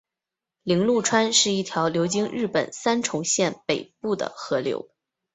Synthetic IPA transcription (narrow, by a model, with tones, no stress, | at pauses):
li˧˥ŋlu˥˩ʈ͡ʂʰwa˥nʂɻ̩˥˧i˥˩t̪ʰjɑ˧˥ʊljo˧˥ʊt͡ɕi˥ŋɻɻ̩˥˩pə˨˩nsa˥nʈ͡ʂʰʊ˧˥ŋɕjɛ˥˩npe˨˩ɪpu˥˩d̪ə̰˩xɤ˧˥ljo̰˧˥ʊ